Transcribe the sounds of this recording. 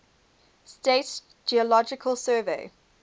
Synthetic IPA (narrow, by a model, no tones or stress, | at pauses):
stet | d͡ʒiəlɔd͡ʒɪkʰəlˠsɜːveɪ